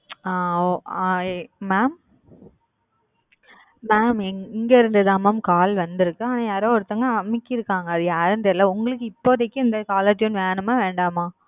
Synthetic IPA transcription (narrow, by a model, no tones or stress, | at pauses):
aːoː | maːm | maːmɛɪŋɡɐɪɾɯnd̪ɐðaːmaːmkaːlʋɐnd̪ɪɾɯkːɯaːnãːjaːɾoːɔɾɯt̪ːɐŋɡɐɐmɪkːɪɾɯkːaːŋɡɐːðɯjaːɾɯnd̪ɛlːɐʊŋɡɐɭɯk̬ːɯɪpːoːt̪ɐkːɯɪnd̪ɐkaːlɐʈːɪjʊnʋeːɳɯmaːʋeːɳɖaːmaː